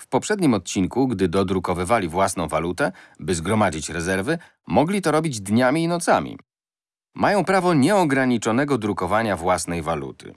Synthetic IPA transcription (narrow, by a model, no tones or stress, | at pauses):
fpɔpʂɛd̪ɲimɔt̪̚t͡ɕiŋkuɡd̪ɘd̪ɔd̪ɾukɔvɘvalʲivwasnɔ̃w̃valut̪ɛbɘzɡɾɔmad͡ʑit͡ɕɾɛzɛɾvɘ | mɔɡlʲit̪ɔɾɔbʲid͡ʑd̪ɲamʲiːnɔt̪sa̰mʲḭ | majɔ̃w̃pɾavɔɲɛɔɡɾaɲit͡ʂɔn̪ɛɡɔd̪ɾukɔvaɲavwasnɛjvalṵt̪ʰɘ̥̰